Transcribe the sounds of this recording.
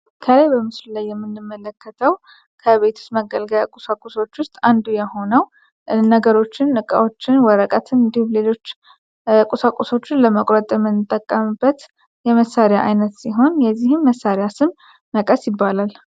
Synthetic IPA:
kʰəlajbəmɨslulajːɛmːɨnːɨmːələkʰːət̪ʰəw | kʰəβe̞t̪ʰu̥st̪məɡəlɡəjakʼusakʼuso̞t͡ʃːwʊst̪ʼand̪ujɛho̞nəw | nəɡəɾo̞t͡ʃːɪnɨkʼa̰wo̞t͡ʃːɪnwɔɾəkʼət̪ʰɨnɨnd̪ihumlelo̞t͡ʃː | kʼusakʼːuso̞t͡ʃːɪnləməkʼɾət̪ʼjɛmːɨnːɨt̪ʼːəkʼːəmɨbːət̪ | jɛməsːaɾɪjaʔajnət̪siɦo̞njɛzːihɨmːəsːaɾjasɨmː | əkʼəsjɪbːalal

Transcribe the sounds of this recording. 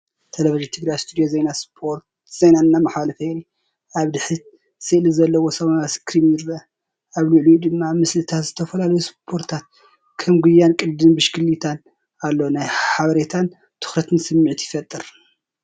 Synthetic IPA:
t̪ʰelɐviʒint̪ʰɨɡɾajst̪ʰud̪ijozejnaspʰoɾt̪ | z̥ejnaɨnːamaħɐlɐfeɾi | aβd̪ɨħɨt̪̚ | sɨʔlɨzɐlːɐwo̞sɐmɐnaskʰɾimjɪɾɐ | aβluʕlud̪ɨmːamɨslɨt̪ʰat̪zɨt̪ʰɐfɐlalɐjuspʰo̞ɾt̪ʰat̪̚ | kʰɐmɡujːankʼɨld̪ɨnbɨʃkʰɨlːit̪ʰan | alːonajħaβɐɾet̪ʰan | t̪ʰɨ̥xɾɐt̪ʰɨnsɨmːɨʕt̪jɪfɐt̪ʼːɨɾ

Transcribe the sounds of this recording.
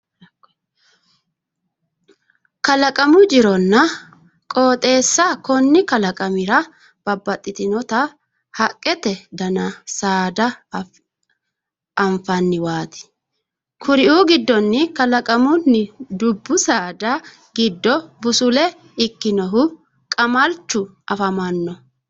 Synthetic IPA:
kɐlɐkʼɐmʊd͡ʒɪɾɔnːɐ | kʼoːt̪ʼe̞ːsːɐkɔnːɪkɐlɐkʼɐmɪɾɐ | b̥ɐbːɐt̪ʼːɪt̪ɪnɔt̪ɐ | hɐkʼːɛt̪ɛd̪ɐnɐsaːd̪ɐ | ɐɱfɐnːɪwaːt̪ɪ̥ | kʰʊɾɪʔuːɡɪd̪ːɔnːɪkɐlɐkʼɐmʊnːɪd̪ʊbːʊsaːd̪ɐ | ɡɪd̪ːɔbʊsʊlɛ | ɪkːɪnɔɦʊ | kʼɐmɐlt͡ʃːʊʔɐfɐmɐnːɔ

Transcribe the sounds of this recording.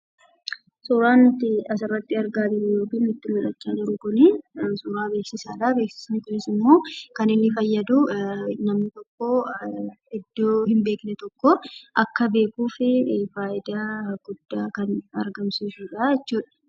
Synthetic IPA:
suɾaːnt̪ɪɐsɪrːɐt̪ːɪɐɾɡaːb̪ɪlɛjo̞ːkiːnnʊt̪ːɪmɪᶑɐt͡ʃːaːnɪɾʊkʊnɪsʊːɾaːbeːksɪsaːᶑabeːksɪ̥snkʊnɪsɪmːo̞ːkɐnɪnːɪfɐjːɐd̪ʊnɐmnɪt̪ɔkːo | ɛd̪ːoːhɪmbeːknɛt̪ɔkːɔʔɐkːɐbe̞ːkuːfɪfaːʔɪd̪aːɡ̥ʊd̪̥ːaːkɐnɐɾɡɐmsiːsuːᶑaɛt͡ʃːuːᶑɐ̥

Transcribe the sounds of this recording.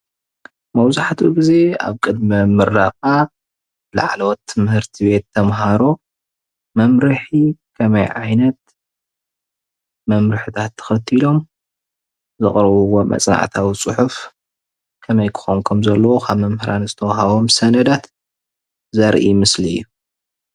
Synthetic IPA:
mɐwzaħat̪ʰuɡize̞a̰βkʼɨd̪̚mɐmɨɾːaxa | bla̰ʕlot̪ʰːɨmhɨɾt̪ʰiβe̞t̪ʰːɐmɦaɾo | mɐmɾɨħikʰɐmɐjʕajnɐt̪̚ | mɐmɾɨħɨt̪ʰat̪ʰːɐ̥xɐt̪ʰːilo̞m | zɨχʼɾɐβuwomɐ̰t͡sʼna̰ʕt̪ʰawit͡sʼɨħuf | kʰɐmɐjkʰɨ̥xonkʰɐmzɐlːɐwokʰaβmɐmhɨɾʔanzɨt̪ʰɐwɦaβo̞msɐnɐd̪at̪ | zɐɾʔḭmɨsliɨ̰jːu

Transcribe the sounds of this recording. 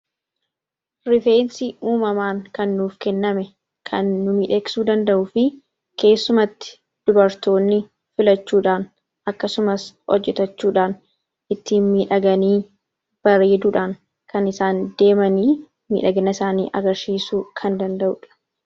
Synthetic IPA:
ɾɪfeːnsɪʔuːmɐmaːŋkɐnːuːfkɛnːɐmɛ | kʰɐnːʊmiːᶑeːksuːd̪ɐnd̪ɐʔʊfɪ | ke̞ːsːʊmɐt̪ːɪ̥ | d̪̥ʊbɐɾt̪o̞ːnːɪ | fɪlɐt͡ʃːuːᶑaːn | ɐkːɐsʊmɐshɔ̰d͡ʒːɛt̪ɐt͡ʃːuːᶑaːn | ʔɪt̪ːiːnmiːᶑɐɡɐniː | b̥ɐɾeːd̪uːᶑaːŋ | kɐnɪsaːnd̪e̞ːmɐniː | mḭːᶑɐɡɐnɐɪsaːnḭːʔɐ̰ɡɐɾsiːsuːkʰɐnd̪ɐnd̪ɐʔʊᶑɐ̥

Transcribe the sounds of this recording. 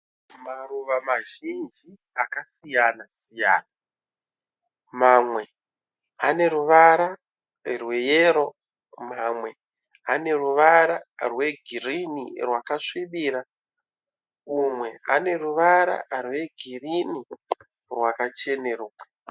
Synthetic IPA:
maruʋamaʒind͡ʒi | akasijanasija̰ːna | mamwe̞ | ane̞ruʋaɾa | rwe̞jeːɾo̞ | mamwe̞ | ane̞ruʋaɾarwe̞ɡʱirinḭrwakaʂiɓiːɾa | umwe̞a̰ne̞ruʋaɾa̰rwe̞ɡʱirini | rwakat͡ʃe̞ne̞ruḁ

